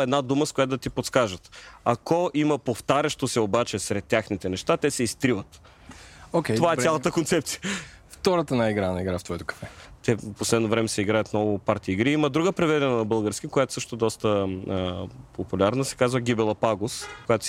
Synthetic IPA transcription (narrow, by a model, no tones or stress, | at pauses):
ɛd̪nad̪uməskʊjat̪ːd̪ɐt̪ipot̪skaʒət̪akɔʔiməpoft̪aɾʲɐʃt̪osɛobat͡ʃɛsɾɛt̪ʲːjaxnit̪ɛnɛʃt̪at̪ɛsɛist̪ɾivət̪ | okʲɛovaɛt̪salˠɐt̪əkont̪sɛp̚t̪sijəft̪ɔɾət̪ənaiɡɾanɐiɡɾaft̪vɔjit̪o̥kɐ̥fɛt̪ɛposlɛd̪novɾɛmɛsɛiɡɾajət̪nɔvʊpaɾt̪iːɡɾiiməd̪ɾuɡəpɾɛvɛd̪ɛnənɐbɤlˠɡəɾsk̟ikojat̪o̥sɤʃt̪od̪ɔst̪əəpopulʲaɾnəsɛ̥kazvəɡ̟ʲibɛlˠɐpaɡoskojat̪o̥